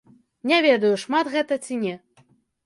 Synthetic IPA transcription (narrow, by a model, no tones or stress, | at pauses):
nʲavʲɛd̪ɐjuʂmat̪ɣɛt̪ɐt͡sʲinʲɛ